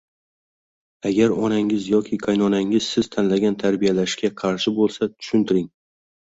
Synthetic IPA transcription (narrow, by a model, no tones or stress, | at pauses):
aɡʲaɾɒnaŋɪzjɒkʲʰɪkʰajnɒnaŋɪz̥sɪz̥t̪ʰanlaɡʲant̪ʰaɾbijalaʃkʲaqʰɑɾʃɪbolˠsat̪ʰʊ̥ʃʊnt̪ʰɪɾɪŋ